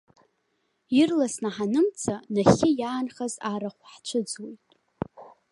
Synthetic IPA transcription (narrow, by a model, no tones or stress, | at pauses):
irlasnaħanɨmt͡sʰanaχʲɪjaːnχazaɾaχʷħt͡ʃʷʰɨd͡zwejtʼ